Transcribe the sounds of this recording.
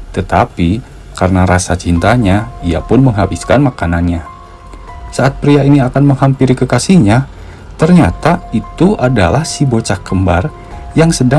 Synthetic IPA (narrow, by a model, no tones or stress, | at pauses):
t̪ət̪api | karənaɾasat͡ʃint̪aɲaia̰pʊnməŋɦabiskanmakananɲa | saːt̪̚pɾiainiakanməŋhampiɾikəkasihɲa | t̪ərɲat̪ait̪uʔadalahsibot͡ʃakːəmbar | jaŋsəda